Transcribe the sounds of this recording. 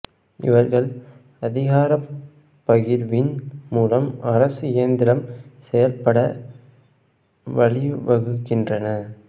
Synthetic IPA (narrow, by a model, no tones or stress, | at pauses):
ɪ̰ʋɐɾɣɐɭ | ɐðɪɣaːɾɐ | pːɐɣɪɾʋɪnmuːlɐmɐɾɐsɯɪɐnd̪ɪɾɐmsɛjɐlpɐɽɐ | ʋɐɭɪʋɐɣɯɣɪndrɐnɐ